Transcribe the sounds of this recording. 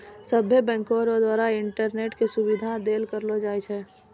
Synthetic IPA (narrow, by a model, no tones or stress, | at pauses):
səbʱːjəbɛ̃ːŋkoɾod̪waːɾaɪɳʈəɾneːʈkesʊbɪd̪ʱad̪eːlkəɾlod͡ʒaːet͡ʃʰɛː